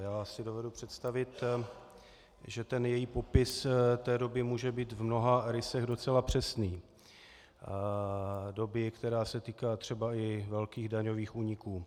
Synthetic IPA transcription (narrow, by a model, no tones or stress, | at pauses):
jaːsɪdo̞vɛdupr̝̥ɛt̪st̪avɪt̪ | ʒɛt̪ɛnjɛjiːpo̞pɪst̪ɛːdo̞bɪmuːʒɛbiːt̪vmno̞ɦaɾɪsɛɣdo̞t͡sɛlapr̝̥ɛsniː | do̞bɪkt̪ɛɾaːsɛt̪iːkaːt̪r̥ɛbaɪvɛlkiːɣdaɲo̞viːxuːɲɪkuː